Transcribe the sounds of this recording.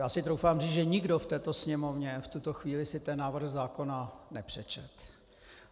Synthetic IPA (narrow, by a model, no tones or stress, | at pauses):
jaːsɪt̪ɾowfaːmriːt͡sʒɛɲɪɡdoft̪ɛːt̪o̞sɲɛmovɲɛft̪ut̪oxviːlɪsɪt̪ɛnːaːvr̩xzaːko̞nanɛpr̝̥ɛt͡ʃɛt̪